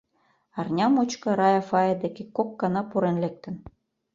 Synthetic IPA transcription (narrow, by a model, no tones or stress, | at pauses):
ɑrnʲɑmut͡ɕkɤ̆ɾɑjɑfɑjed̪ekekːokːɑnɑpuɾenlek̚t̪ə̆n